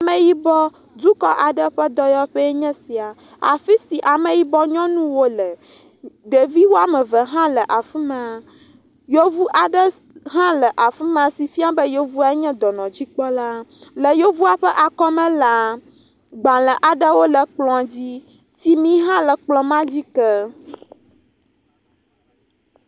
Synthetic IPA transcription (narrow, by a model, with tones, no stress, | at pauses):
mɛ̃˨ji˦bɔ˦ | d̪u˦kɔ˦ʔa˨ɖə˦ɸɛ˦d̪ɔ˦jɔ˦ɸɛ˦e˦ɲɛ̃˦si˨a˨ | a̰˨fi˦si˨ʔa˨mɛ̃˨ji˦bɔ˦ɲɔ̃˦nũ˦wo˦lɛ˨ | ɖe˨vi˦wo˦a˦mɛ˨və˨ɦã˦lə˨ʔa˨fi˦mɛ˨a˨ | jo˦vu˦ʔa˨ɖə˦ | ɦã˦lə˨ʔa˨fi˦mɛ̃˦˨a˨si˨fi˦a˦bə˦jo˦vu˦a˦e˦ɲɛ̃˦d̪ɔ˨nɔ̃˨d͡ʑi˦k͡pɔ˦la˦lə˨jo˦vu˦a˦ɸɛ˦ʔa˨kɔ˦mɛ̃˦la˨ | ɡ͡bã˨lə˨ʔa˨ɖə˦wo˦lə˨k͡plɔ̃˨d͡ʑi˦ | t͡ɕi˦mĩ˦ɦã˦lə˨k͡plɔ̃˨mã˦d͡ʑi˦kɛ˦